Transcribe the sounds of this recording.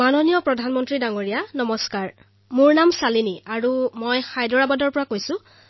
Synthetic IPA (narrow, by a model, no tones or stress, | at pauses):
manonijɔpɹɔdʱanmɔntɹidaŋoɹijanɔmɔskaɹ | mʊɹnamsaliniaɹumɔjxajdɔɹabadɔɹpɔɹakojsʊ̃